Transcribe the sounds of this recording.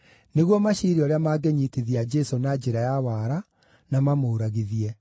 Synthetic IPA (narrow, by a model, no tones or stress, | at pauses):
neɣwɔmaʃiɾiɔɾeamaːɡeɲiteðiad͡ʒɛsonad͡ʒeɾajawaːɾa | namamoːɾaɣeðiɛ